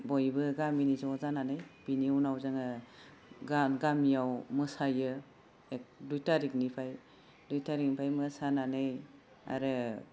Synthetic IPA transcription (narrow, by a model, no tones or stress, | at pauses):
bɔjbɯɡaminizawzananɯjb̥iniwnawzɯŋɯ | ɡanɡamijawmɯsajɯ | ek̚dujtaɾik̚nipʰaj | dujtaɾik̚nipʰajmɯsananɯj | a̰ɾɯ